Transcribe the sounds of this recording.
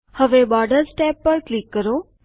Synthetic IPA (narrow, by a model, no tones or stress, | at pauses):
həʋebɔːɾɖəɾsʈɛːpːəɾklikːəɾoː